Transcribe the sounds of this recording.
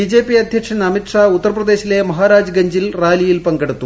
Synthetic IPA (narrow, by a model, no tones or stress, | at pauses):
id͡ʑe̞ːpːiɐd̪ʱjɐkʂɐnɐmiʈʂaːut̪ːɐrɐprɐd̪e̞ːɕile̞mɐɦaːɾaːd͡ʑɡɐɲd͡ʑilraːlijilpɐŋɡeɽut̪ːu